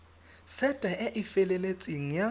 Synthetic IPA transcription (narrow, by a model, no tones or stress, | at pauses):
sɛtʼaʔɛʔɪfɛlɛlet͡sʼiŋ̩ja